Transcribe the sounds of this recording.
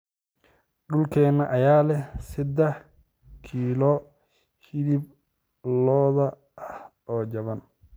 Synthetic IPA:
ɖʊlkʰɛːnɐʔɐjaːlɛsɪd̪ɛh | kʰiːlɔ | hɪdɪb | lɔːðɐ | ʔɐhʔɔːd͡ʒɐβɐn

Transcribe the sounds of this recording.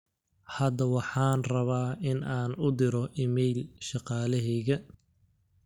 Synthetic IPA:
hɐd̪ɐwɑħɑːnrɐβaːʔɪnaːnʊd̪ɪɾɔʔɪmɛjlʃɑqɑːlɛɦɛːɣɐ

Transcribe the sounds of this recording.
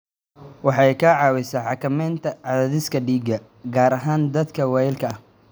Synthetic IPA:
wɑħɑjkʰɐʕɑːwɪsɐːħɑkʰɐmɛːnt̪ʰɐʕɑðaðɪskʰɐɖiːɡɐ | ɡaːɾɐɦaːnd̪ɐd̪kʰɐwɑjɪlkʰɐɐh

